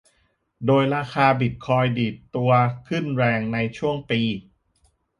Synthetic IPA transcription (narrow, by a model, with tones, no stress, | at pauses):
doː˧jɾaː˧kʰaː˧bi˨˩t̪̚kʰɔː˧jdiː˨˩t̪ːu˧ɐkʰɯ˥˩nɾɛː˧ŋna˧jt͡ɕʰu˥˩əŋpiː˧